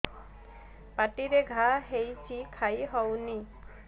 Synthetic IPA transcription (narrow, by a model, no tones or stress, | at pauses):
paʈiɾeɡʱaɦejt͡ʃʰikʰajɦɔwni